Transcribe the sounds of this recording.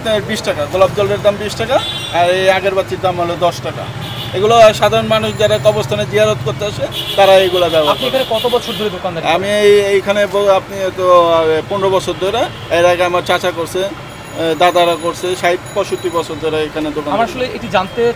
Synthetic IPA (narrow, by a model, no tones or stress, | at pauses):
pnaɾbiʃʈakaɡɔlab̚d͡ʑɔleɾd̪ambiʃʈakaːɾejaɡeɾbat̪ːiɾd̪amɦolod̪ɔʃʈaka̰ | eɡuloʃad̪ʱaɾonmanuʃd͡ʑaɾaɔbost̪ʰaned͡ʑiɦaɾot̪koɾt̪eaʃet̪aɾaejɡulabɛboapniekʰanekɔt̪obɔt͡ɕʰoɾd̪ʱoɾed̪okand̪ɛamiejejkʰanebɔapniɛt̪opɔnɾobɔt͡ɕʰoɾd̪ʱoɾe | eɾaɡeamaɾt͡ɕat͡ɕakoɾsʰe | d̪ad̪aɾakoɾsʰeʃaippɔʃuʈːibɔt͡ɕʰoɾd̪ʱoɾeejkʰaned̪okanamaɾaʃoleeʈid͡ʑant̪e